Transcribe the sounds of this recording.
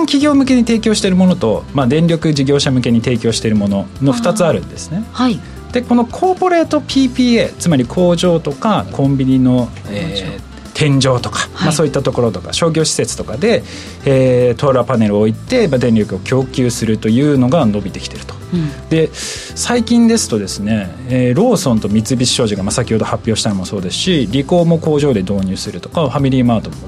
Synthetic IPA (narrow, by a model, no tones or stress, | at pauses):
nkʲiɡʲo̞ːmɯ̟ke̞ɲ̟it̪e̞ːkʲo̞ːɕi̥t̪e̞ɾɯ̟mo̞no̞t̪o̞mad̪ẽ̞ɲɾʲo̞kɯ̟d͡ʑiɡʲo̞ːɕamɯ̟ke̞ɲ̟it̪e̞ːkʲo̞ːɕi̥t̪e̞ɾɯ̟mo̞no̞no̞ɸɯ̥t̪at͡sɨaɾɯ̟̰̃nd̪e̞sɨ̥ne̞ | d̪̥e̞ko̞no̞kʰo̞ːpo̞ɾe̞ːt̪o̞pʲiːpʲiːe̞t͡sɨmaɾʲikʰo̞ːʑo̞ːt̪o̞kakʰõ̞mbʲiɲ̟ino̞ | eː | t̪ʰẽ̞ɲ̟d͡ʑo̞ːt̪o̞̥kḁmaso̞ːit̪ːat̪o̞ko̞ɾo̞t̪o̞ka̰ɕo̞ːɡʲo̞ːɕi̥se̞t͡sɨ̥t̪o̞kad̪e̞ | eːt̪oɾapane̞ɾɯ̟oit̪e̞mad̪ẽ̞nʲɾʲjo̞kɯ̟o̞kʲo̞ːkʲɨːsɨɾɯ̟t̪o̞jɯ̟ːno̞ɡano̞bʲit̪e̞ki̥t̪e̞ɾɯ̟t̪o̥d̪e̞ | saikʲĩnd̪e̞sɨ̥t̪o̞d̪e̞sɨne̞ | eɾo̞ːsõ̞nt̪o̞mʲit͡sɨbʲii̥ɕo̞ːʑiɡamasakʲiho̞d̪o̞hapʲːo̞ːɕi̥t̪anomo̞so̞ːd̪e̞sɨ̥ɕiɾʲiko̞ːmo̞ko̞ːʑo̞ːd̪e̞d̪o̞ːɲ̟ɨːsɨɾɯ̟t̪o̞̥kaɸamʲiɾʲimaːt̪omo